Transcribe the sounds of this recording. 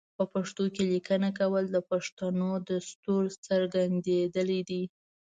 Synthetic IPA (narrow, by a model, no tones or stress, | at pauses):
pəpaʂt̪okelikənakawəld̪əpaʂt̪anod̪əst̪uɾt͡səɾɡand̪ed̪əlid̪i